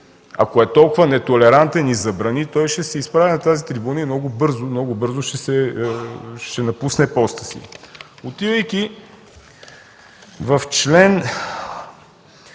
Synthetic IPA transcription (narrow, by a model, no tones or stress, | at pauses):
ɐ̰koɛt̪ɔlˠkʊvɐnɛt̪olɛɾant̪ɛnizɐbɾɐnit̪ɔjʃɛsɛispɾavɛnɐt̪azit̪ɾibunəimnɔɡʊbɤɾzʊmnɔɡʊbɤɾzʊʃɛsɛ | ʃɛnɐpusnɛpɔst̪ə̥sḭot̪ivəjki | vɐft͡ʃlɛn